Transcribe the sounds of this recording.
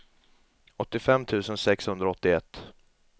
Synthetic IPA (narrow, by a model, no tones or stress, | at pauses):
ɔt̪ːɪfɛmːt̪ʰʉ̟ːsənsɛkshɵnd̪ɾaɔt̪ːɪɛt̪ː